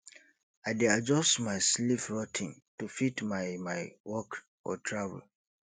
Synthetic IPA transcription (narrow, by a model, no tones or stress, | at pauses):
aɪdead͡ʒɔstmaɪslifɹɔtʰĩntufitmaɪmaɪwɔk | ɔ̰tʰɹavə̰l